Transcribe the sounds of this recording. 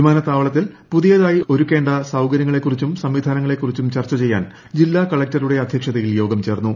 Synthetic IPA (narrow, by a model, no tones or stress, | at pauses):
umaːnɐt̪ːaːʋɐɭɐt̪̬ːilpuðijɐðaːjiʔo̞ɾuke̞ːɳɖɐsɐwkɐɾjɐŋːɐɭe̞kːurit͡ɕːumsɐmʋid̪ʱaːnɐŋːɐɭe̞kːurit͡ɕːumt͡ɕɐrt͡ɕːɐt͡ɕe̞jːa̰ːn | d͡ʑilːaːkɐɭek̚tɐɾuɽe̞ɐd̪ʱjɐkʂɐðɐjiljo̞ːɡɐmt͡ɕe̞ːrnːu